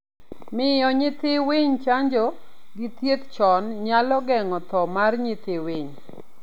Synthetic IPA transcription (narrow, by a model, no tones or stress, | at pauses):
mɪjɔɲɪt̪ɪwɪɲt͡ʃaɲd͡ʒɔ | ɡit̪jet̪t͡ʃɔnɲalɔɡɛŋɔt̪ɔmarɲɪt̪ɪwɪɲ